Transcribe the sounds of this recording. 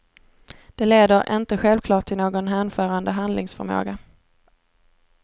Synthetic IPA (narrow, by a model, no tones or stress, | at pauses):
d̪̥ɛleːd̪əɾʔɪ̰nt̪əɧɛlvkʰlɑːʈ̚ʰːɪlnoːɡɔnɦæːnfœːɾand̪əɦand̪lɪŋsfœ̰ɾmo̰ːɡa